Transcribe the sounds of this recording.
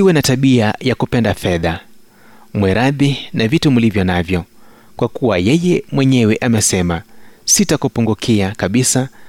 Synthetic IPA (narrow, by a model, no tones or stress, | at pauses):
iwɛnataɓiajakupɛndafɛða | mwɛɾaðinavitumulivjɔnavjɔ | kwakuwajɛjɛmwɛɲɛwɛʔamɛsɛmasitakupuŋɡukʰiakaɓisa